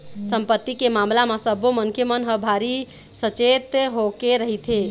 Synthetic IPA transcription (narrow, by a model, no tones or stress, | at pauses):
səmpət̪ːikemamlamasəboməŋkʰjemənɦəbʱaɾi | sət͡ʃet̪ɦokeɾəɦit̪ʰe